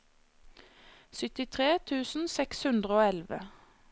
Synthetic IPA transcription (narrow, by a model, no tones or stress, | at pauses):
sʏt̪ɪt̪ʰʁeːt̪ʰʉːsn̩sɛkshʉnd̪ʁəoːɛlʋə